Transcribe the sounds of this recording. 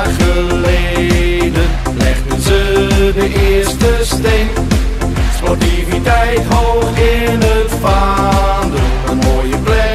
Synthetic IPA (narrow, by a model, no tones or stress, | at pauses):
χəledən | lɛ̰χdənzədəʔɪɹstəsten | spɔtivitɛjtɦowχɪnətfaːndə | ənmoːjəplɛ